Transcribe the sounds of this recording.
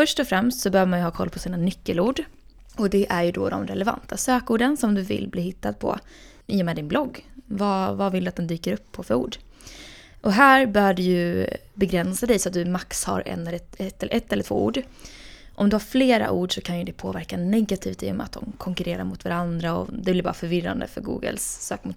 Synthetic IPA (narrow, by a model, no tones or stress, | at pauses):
fœʂʈɔfɾɛmst̪sɔbɛøːvəmanjɵhɑːkʰɔlːpʰɔsiːnanʏkːəluːɖ | ɔd̪ɛʔæɾjɵd̪ɔ̰d̪ɔ̰mɾɛlɛva̰nt̪ʰasøːkuːɖənsɔmd̪ɵvɪ̰lːbliːɦɪt̪ːad̪̚pʰɔ̰ | iːɔmɛːd̪ɪnblɔɡːvɑvavɪld̪ɵat̪d̪ɛnd̪yːkəɾɵpʰːɔfœɾṵːɖ | ʔɔɦæːɾbœːɖɵjɵ | bɛɡɾɛnsad̪ɛjsɔat̪̚d̪ɵmaksha̰ɾɛ̰nːɛt̪ːɛlʔɛt̪ːɛləɾt̪vo̰ːṵːɖ | ʔɔmd̪ɵhaɾfleːɾa̰ʔuːɖʂɔkʰanjɵd̪ɛpʰoːvæɾkanɛɡːat̪ʰiːft̪ḭːʊ̰mɛ̰at̪̚d̪ɔmkʰɔŋkɵɾeːɾa̰ɾmʊt̪vaɾand̪ɾaɔ̰d̪ɛblɪɾbɑ̰ːɾafœɾvɪrːa̰nd̪ə̰fœɾɡṵːɡə̰lsːøːkmʊt̪